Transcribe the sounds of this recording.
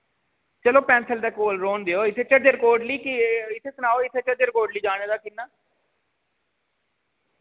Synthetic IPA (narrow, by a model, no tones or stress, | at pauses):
t͡ʃəloːpɛ̃ːnsəld̪eːkoːlɾoːnd̪eːoːɪt̪ʰeːt͡ʃəɖəɾkoːɾɖliːkɪɪt̪ʰeːsənaːoːɪt̪ʰeːt͡ʃəd̪əɾɪkoːɾɖliːd͡ʒaːneːd̪aːkɪnːaː